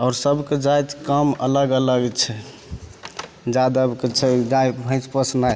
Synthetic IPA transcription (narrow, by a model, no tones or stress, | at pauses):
ɔːɾsəbʱked͡ʒajt̪kəmə̰ləɡələɡɛt͡ʃʰɛ | d͡ʒad̪əbket͡ʃʰɛd͡ʒajbʱə̃spəsnaj